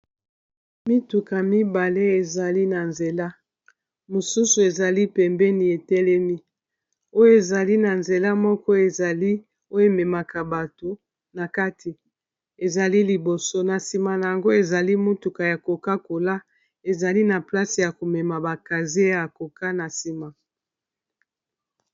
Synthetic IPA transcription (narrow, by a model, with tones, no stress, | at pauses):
mi˦tu˨ka˨mi˦ba˨le˦e˨za˨li˦na˨nze˨la˦ | mo˨su˦su˨e˨za˨li˦pɛ˨mbɛ˦ni˨e˨tɛ˦lɛ˦mi˦ | o˦jo˦e˨za˨li˦na˨nze˨la˦mɔ˦kɔ˦e˨za˨li˦ | o˦jo˦e˨mɛ˨ma˨ka˨ba˨to˨ | na˨ka˦tʰi˨ | e˨za˨li˦li˨bo˨so˦na˨si˨ma˨na˨ja˨ŋɡo˦e˨za˨li˦mo˦tu˨ka˨ja˨ko˨ka˦ko˨la˦ | e˨za˨li˦na˨pla˦si˨ja˨ko˨mɛ˨ma˨ba˨ka˨zi˦ja˨ko˨ka˦na˨si˨ma˨